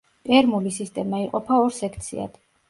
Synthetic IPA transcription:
ɛɾmulisist̪ʼɛmaiqʼɔpʰaɔɾsɛkʰt̪sʰḭa̰d̪̥

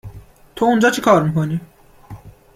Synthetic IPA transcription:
t̪ʰound͡ʒɒːt͡ʃʰekʰɒːɾmiːkʰoniː

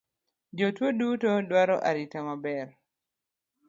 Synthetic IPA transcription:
d͡ʒotwodutɔdwaɾɔʔa̰ɾitamabɛɾ

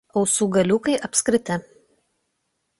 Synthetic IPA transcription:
ɒʊsuːɡɐlʲuːkɐɪʔɐpʲsʲkɾʲɪt̪ʲɪ

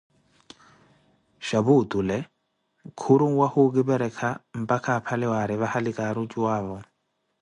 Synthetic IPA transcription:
ʃaβutʼulɛ | kʰuɾuŋ̩wahuɡiβɛɾɛkʰam̩pʼakʰapʰalɛwaɾiβahalikʼaɾut͡ʃʼuwaːβɔ

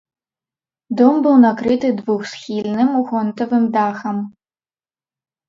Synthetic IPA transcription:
dombɨlwnakɾɨtɨdvuxsxʲiːlʲnɨmuxɔntʰɐvɨmdaːxɐm

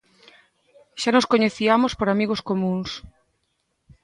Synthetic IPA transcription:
ʃanoskoɲeθiamospoɾamiɣoskomũŋs

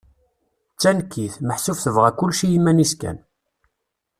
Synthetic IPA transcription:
t͡sːænkʰːiθməħsufθəvʁækʊlːʃijimːæniskæ̰n

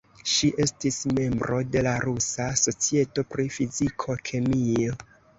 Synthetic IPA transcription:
ʃiʔe̞stisme̞mbɾo̞de̞laɾusaso̞t͡sie̞to̞pɾifizikʰo̞kʰemio

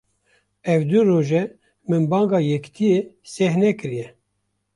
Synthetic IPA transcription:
ɛvd̪ɨɾoːʒɛ | mɨnbɑːŋɡɑːjɛkt̪ʰijesɛhnɛkɨɾijɛ

